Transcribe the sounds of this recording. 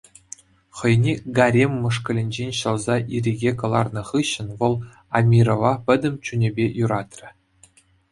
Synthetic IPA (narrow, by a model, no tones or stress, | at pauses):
χɤ̆jnʲeɡɑɾʲemʲːɤ̆ʂkɤ̆lʲɘ̆nʲd͡ʑenʲɕɤ̆lˠzɑʔirʲeɡʲekɤ̆lˠɑ̰rnɤ̆χɯɕːɘ̆nʋɤ̆lˠ | ɑmʲirovɑpʲɘ̆d̪ʲɘ̆mʲt͡ɕunʲebʲejuɾɑt̪ʲrʲɘ̆